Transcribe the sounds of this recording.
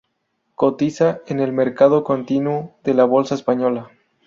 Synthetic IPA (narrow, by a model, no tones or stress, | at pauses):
ko̞t̪isaene̞lme̞ɾkað̞o̞ko̞nt̪inwoðe̞laβo̞lsaespaɲola